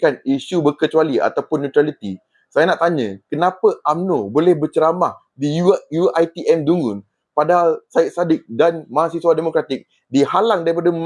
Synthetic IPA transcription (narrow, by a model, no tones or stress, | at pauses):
kaniʃubərkət͡ʃualia̰t̪awpʊnːũt̪ɾalit̪i | sajanaʔt̪aɲə̃kənãpəʔamnobolɛhbərt͡ʃəɾamah | diujuajt̪iʔɛmduŋʊn | padaɦalsaɪt̪̚sadɪk̚danmãɦãsiswademokɾat̪ɪk̚ | dihalaŋdaɾipada